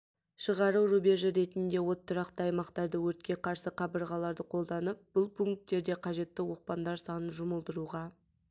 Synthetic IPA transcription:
ʃəʁɑɾuɾubʲe̞ʒəɾe̞t̪ɪnd̪e̞wo̞t̪ʰːəɾɑqt̪əɑjmɑqt̪ɑɾd̪əwɵɾt̪̚kʲe̞qʰɑɾsəqʰɑbəɾʁɑlˠɑɾd̪əqʰo̞lˠd̪ɑnəp̚b̥ʊlˠpʰuŋk̚t̪ːe̞ɾd̪e̞qʰɑʒe̞t̪ːɪwo̞q̚pɑnd̪ɑɾsɑnənʒʊməlˠd̪əɾuʁɑ

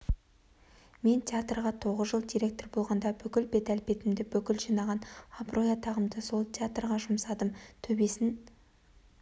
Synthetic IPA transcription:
me̞nt̪ʰʲeat̪rʁɑt̪ʰo̞ʁəzʒəlˠd̪iɾe̞k̚t̪o̞rbo̞lˠʁɑnd̪ɑbʏkʲɪlbe̞t̪ælpe̞t̪ɪmd̪ɪbʏkʲɪlʒinɑʁɑnɑbrʔo̞jɑt̪ʰɑʁəmd̪əso̞lˠt̪ʰʲeat̪rʁɑʒʊmsɑd̪əmt̪ʰɵbe̞sɪn

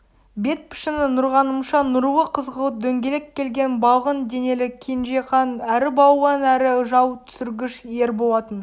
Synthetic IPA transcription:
be̞t̪̚pʰɪ̥ʃɪnɪnʊɾʁɑnəmʃɑnʊɾuwəqʰəzʁəlˠəd̪ɵŋɡʲe̞lekʲʰːe̞lɡʲe̞nbɑʁənd̪e̞ne̞lɪkʲʰenʒeqɑnæɾɪbɑwːɑnæɾɪʒɑwt̪ʰʏ̥sʏɾɡʲɪʃje̞ɾbo̞lˠɑt̪ən

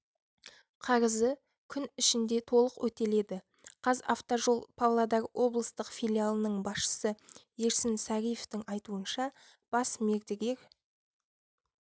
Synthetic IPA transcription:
qʰɑɾəzə | kʲʰʏnɪʃɪnd̪e̞t̪ʰo̞lˠəqwɵt̪e̞le̞d̪ɪ | qʰɑza̰ft̪oʒo̞lˠpʰavlˠad̪ɑɾwʔo̞blˠəst̪əqfijlʲialˠənəɴbɑsʃə̥səje̞ɾsɪnsɑɾʲijeft̪ɪŋɑjt̪uənʃɑ | b̥ɑsme̞ɾd̪eɡʲe̞ɾ

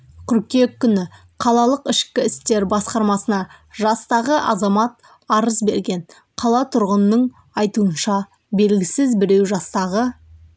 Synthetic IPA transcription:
qʲʰʏɾkʲe̞kʲːʏnɪ | qʰɑlˠɑlˠəqɪʃkʲɪɪst̪e̞ɾbɑsqɑɾmɑsənɑʒɑst̪ɑʁəʔɑzɑmɑt̪̚ | ɑɾəzbe̞ɾɡʲe̞ɴ | qʰɑlˠɑt̪ʰʊɾʁənəːəɴ | ɑjt̪uənʃɑ | be̞lɡʲɪsɪzbɪɾe̞wʒɑst̪ɑʁə

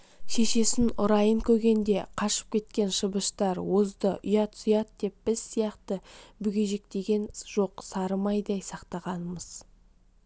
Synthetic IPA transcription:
ʃe̞ʃe̞sɪnʊɾɑjəŋkʲʰɵɾɡʲe̞nd̪e̞qʰɑʃə̥p̚kʲʰe̞t̪kʲe̞nʃəbəʃt̪ɑɾwozd̪əʔʏjɑt̪sʊjɑt̪̚d̪e̞p̚b̥ɪz̥sijɑqt̪əbʏɡʲe̞ʒe̞k̚t̪e̞ɡʲe̞nʒ̥o̞qsɑɾəmɑjd̪ejsɑqt̪ɑʁɑnəməz̥

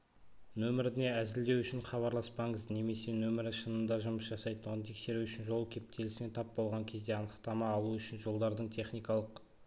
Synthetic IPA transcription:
nɵmɪɾɪne̞æzɪld̪e̞wʏʃɪɴχɑβɑɾlˠɑspɑɴəzne̞me̞se̞nɵmɪɾɪʃənənd̪ɑʒʊməsʒɑsɑjt̪əʁənt̪ʰe̞kse̞ɾuʏʃɪnʒo̞lˠkʲʰe̞p̚t̪ʰe̞lɪsɪne̞t̪ʰɑp̚bo̞lˠʁɑŋkʲʰe̞zd̪e̞ɑnəqt̪ɑmɑːlˠuʏʃɪnʒo̞lˠd̪ɑɾd̪əɴt̪ʰe̞χnijkɑlˠəq

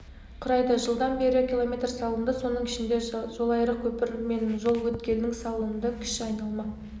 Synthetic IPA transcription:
qʰʊɾɑjd̪ɑʒəlˠd̪ɑnbe̞ɾɪkʲilˠo̞mʲe̞t̪rsɑlˠənd̪ɑso̞nəɴɪʃɪnd̪e̞ʒo̞lˠɑjɾəkʲʰɵpɪɾme̞nʒo̞lˠwɵt̪kʲe̞lnɪŋsɑlˠuənd̪əkʲʰɪ̥ʃɪɑjnɑlˠmɑ

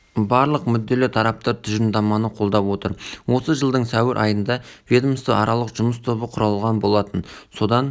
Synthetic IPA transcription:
bɑɾlˠəqmʏd̪ːe̞lɪt̪ʰɑɾɑp̚t̪ɑɾt̪ʰʏʒɪnd̪ɑmɑnəqʰo̞lˠd̪ɑpwo̞t̪əɾwo̞səʒəlˠd̪əɴsæwɪɾʔɑ̰jənd̪ɑvʲed̪mst̪əʔɑɾʔɑlˠəqʒʊməst̪ʰo̞bəqʰʊɾɑlˠʁɑnbo̞lˠɑt̪ənso̞d̪ɑn

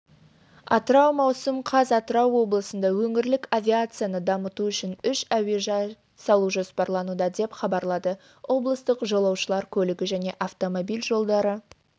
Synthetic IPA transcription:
ɑt̪əɾɑwmɑwsəmqʰɑzɑt̪əɾɑwːo̞blˠəsənd̪ɑwɵŋɪɾlɪkavʲiat̪sɨjanəd̪ɑmət̪uʏʃɪnʏʃæwe̞ʒɑ | sɑlˠuʒospɑɾlˠɑnud̪ɑd̪e̞pχɑbɑɾlˠɑd̪ə | wo̞blˠəst̪əqʒolˠɑwʃəlˠɑɾkʲʰɵlɪɡʲɪʒæne̞ʔaft̪o̞mo̞bijlʒo̞lˠd̪ɑɾə

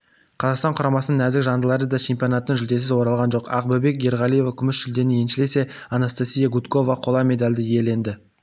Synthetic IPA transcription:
qʰɑzɑqst̪ɑɴqʰʊɾɑmɑsənəŋæzɪkʒɑnd̪əlˠɑɾəd̪ɑt͡ʃʰe̞mpʲijo̞nɑt̪ənəɴʒʏld̪e̞s̬ɪzwo̞ɾɑlˠʁɑnʒo̞qɑqbʊbe̞k̚ɡʲe̞ɾʁɑlʲije̞vakʲʰʏmɪʃʒʏld̪e̞nɪe̞nʃɪle̞se̞ | ɑnast̪asʲijaɡut̪ko̞vɑqʰo̞lˠɑme̞d̪alʲd̪ɪie̞le̞nd̪ɪ

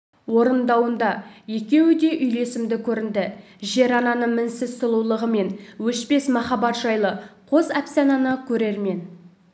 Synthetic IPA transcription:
wo̞ɾənd̪ɑwənd̪ɑje̞kʲe̞wɪd̪e̞ʔʏjle̞sɪmd̪ɪkʲʰɵɾɪnd̪ɪ | ʒe̞ɾɑnɑnəɴmɪnsɪzt̪əlˠuwlˠəʁəme̞nwɵʃpe̞smɑχɑbɑt̪ʒ̥ɑjlˠəqʰozæpsɑnɑnəkʲʰɵɾe̞ɾme̞n

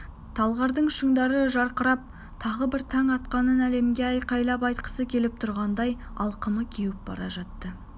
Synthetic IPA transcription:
t̪ʰɑlˠʁɑɾd̪əɴʃəɴd̪ɑɾəʒɑɾqəɾɑp̚ | t̪ʰɑʁəbɪɾt̪ʰɑŋɑt̪qɑnənæle̞mɡʲeæjqʰɑjlˠɑpɑjt̪qə̥səkʲʰe̞lɪp̚t̪ʰʊɾʁɑnd̪ɑjɑlˠqəməkʲʰewɪp̚b̥ɑ̰ɾɑʒɑt̪ːə

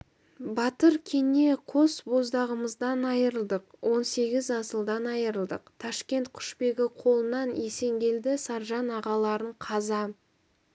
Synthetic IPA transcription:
bɑt̪əɾkʲʰe̞ne̞qʰosbo̞zd̪ɑʁəməzd̪ɑnɑjəɾəlˠd̪əqwʔo̞nse̞ɡʲɪzɑsəlˠd̪ɑnɑjəɾəlˠd̪əqt̪ʰɑʃkʲe̞nt̪̚qʰʊ̥ʃpe̞ɡʲɪqʰo̞lˠənɑne̞se̞ŋɡʲe̞ld̪ɪsɑɾʒɑnɑʁɑlˠɑɾəɴqʰɑzɑ

